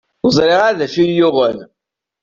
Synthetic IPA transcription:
ʊzˤɾɪʁaðæʃijʊʁəl

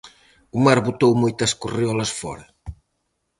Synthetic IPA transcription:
umaɾβut̪owmojt̪ɐskuriɔlɐsfɔ̰ɾɐ

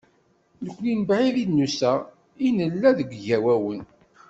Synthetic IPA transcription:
nəkʷːlinbʕiðid̪nusæ | inəlːæðəɡʷʝæwæwən

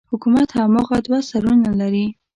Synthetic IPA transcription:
hʊkumat̪hamaɣad̪wasaɾunalaɾi

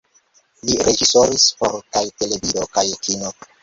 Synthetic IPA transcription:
liɾe̞d͡ʒiso̞ɾispo̰ɾkajte̞le̞vidokajkʰino

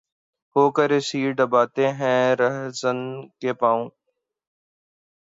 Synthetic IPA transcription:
hoːkəɾeːsiːɖəbaːt̪eɦɛ̃ːɾəɦzənkepãːũː

